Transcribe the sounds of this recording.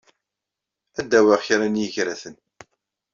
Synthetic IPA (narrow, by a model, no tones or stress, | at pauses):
æd̪ːæwæʁçɾænjəʝɾæθən